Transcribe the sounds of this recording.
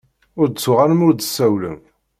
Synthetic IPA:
ʊɾd̪ət͡sːʊʁanəmʊɾd̪əsːæwlə̰m

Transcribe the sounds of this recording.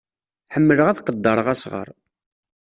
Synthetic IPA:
ħəmːələʁæθqəd̪ːəɾˤəʁæsʁə̰ɾˤ

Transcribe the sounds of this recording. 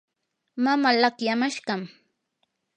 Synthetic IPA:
mamalakjamaʃɢɑm

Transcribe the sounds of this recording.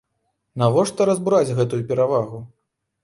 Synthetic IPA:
navɔʂt̪ɐɾɐzbuɾad͡zʲɣɛt̪ujupʲɛɾavaɣu

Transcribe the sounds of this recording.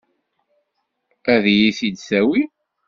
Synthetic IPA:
æðjiθid̪sæwi

